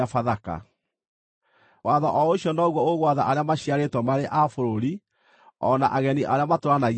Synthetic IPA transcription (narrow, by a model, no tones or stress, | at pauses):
afaðaka̰ | waðɔʔɔoɕjɔnɔɣwɔoɣwaðaʔaɾeamaɕiaɾetwɔmaɾeʔafoɾoɾi | ɔ̰na̰ʔaɣɛniʔaɾeamatoɾanaɣ